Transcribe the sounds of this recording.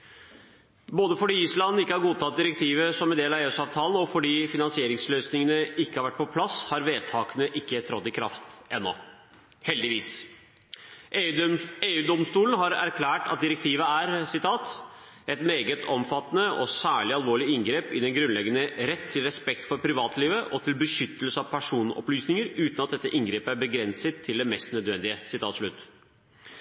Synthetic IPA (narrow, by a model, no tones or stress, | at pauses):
boːd̪əfɔɖiːislɑnn̩ɪkːəhɑɾɡuːt̪ɑt̪̚d̪ɪɾɛk̚t̪ʰiːʋəsɔmɛnd̪eːlɑʋeːʉːsɑːʋt̪ʰɑːln̩ɔfɔɖiːfɪnɑnsɪeːɾɪŋsløːsnɪŋənəɪkːəhɑɾʋæʈ̚ːpʰɔpʰlɑshɑɾʋeːd̪̚t̪ʰɑːkənəʔɪkːət̪ʰɾɔt̪ːɪkʰɾɑ̰ft̪ɛnːɔ̰ | hɛld̪ɪʋiːs | eːʉːd̪ɔmst̪uːlən̩ɦɑɾæ̰ɾkʰlæːʈɑ̰t̪̚d̪ɪɾɛk̚t̪ʰiːʋəæɾsɪt̪ʰɑːt̪ | ɛt̪meːɡət̪ʰɔmfɑt̪ːənəɔsæːɭɪɑlʋoːɭɪɪŋɡɾeːpɪd̪ɛnɡɾʉnlɛɡənəɾɛt̪ʰːɪlɾɛspɛk̚t̪fɔɾpʰɾɪʋɑːt̪liːʋəʔɔt̪ʰɪlbəʂʏt̪ːəlsəɑʋpʰæʂuːnɔ̰plyːsnɪŋəɾʉːt̪nɑt̪̚d̪ɛt̪ːəʔɪŋɡɾeːpəæɾbəɡɾɛnsət̪ʰːɪld̪ɛmɛst̪nœd̪ʋɛnd̪ɪəsɪt̪ʰɑːt̪ʂɭʉt̪ː